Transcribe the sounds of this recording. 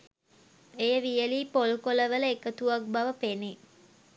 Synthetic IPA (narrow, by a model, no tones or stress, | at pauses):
ejəʋijəliːpolukoləʋələekət̪uak̚baʋəpene